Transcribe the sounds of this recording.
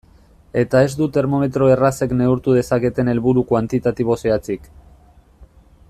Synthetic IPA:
e̞t̪ae̞zd̪ut̪e̞ɾmo̞me̞t̪ɾo̞e̞rase̞kne̞uɾt̪uð̞e̞sake̞t̪e̞ne̞lβuɾukwant̪it̪at̪iβo̞seat͡sik

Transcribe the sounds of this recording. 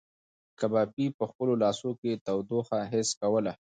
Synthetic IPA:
kabɑpipəxpəlolɑsoket̪awd̪oxaɦɪskawəla

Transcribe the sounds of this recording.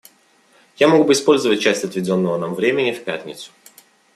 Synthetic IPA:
jamo̞ɡbɨɪspo̞lʲzəvət̚ʲt͡ɕæsʲtʲɐt̪vʲɪdʲo̞nːəvənamvɾʲemʲɪnʲɪfpʲæt̪ʲnʲɪ̰t̪sʊ̥

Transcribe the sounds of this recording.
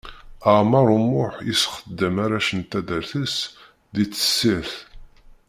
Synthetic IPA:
əʕmɑɾˤumʊħjḭsχəd̪ːəmaɾæʃənt̪æðəɾθəs | ðit͡sːə̥sːiɾθ

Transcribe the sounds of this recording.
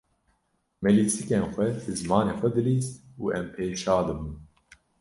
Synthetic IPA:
mɛlisɨkʲenxʷɛd̪ɨzmɑːneːxʷɛd̪ɨliːst̪uːɛmpʰeːʃɑːd̪ɨbun

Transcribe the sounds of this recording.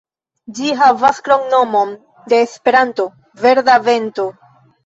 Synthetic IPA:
d͡ʒiɦavaskɾoŋno̞mo̞n | de̞ːspe̞ɾanto̞ | ve̞ɾdave̞nto̞

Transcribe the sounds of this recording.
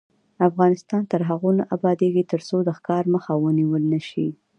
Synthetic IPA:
afɣɑnɪst̪ɑnt̪əɾɦaɣonaʔabɑd̪eɡit̪əɾsod̪əxkɑɾməxawəniwəlnəʃi

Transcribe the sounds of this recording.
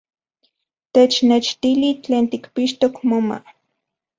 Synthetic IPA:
t̪et͡ʃnet͡ʃt̪ilit͡ɬeːnt̪ikpiʃt̪okmoma̰

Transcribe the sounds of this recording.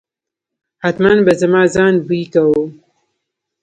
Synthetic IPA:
hat̪manbɐzɐmaːzaːnbuikɐwo

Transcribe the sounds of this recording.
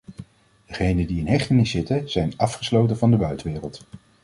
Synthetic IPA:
d̥əχejnəndiɪnɦɛχtənɪsːɪtəz̥ɛjnɑfχəslowtəvɑndəbœɥtʋɪːrəlˠt

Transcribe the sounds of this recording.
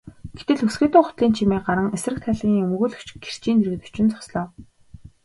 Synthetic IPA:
ɡ̥et̪ɘ̆ɮɵsɡeːt̪ʊːχʊ̥t̪ɮiːnt͡ɕʰimeːɢaɾə̆ŋesrɘ̆k̚t̪ʰæːɮiːŋɵmɵɣɵ̆ːɮɵ̥kt͡ɕ̆ɡer̥t͡ɕiːneɾɣɘ̆t̪u̥t͡ɕɪ̆nt͡sɔ̥sɮɔː

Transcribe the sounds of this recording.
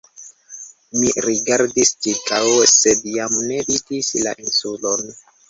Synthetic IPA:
miɾiɡaɾdist͡ʃikawsedjamne̞bitisla̰ʔinsulon

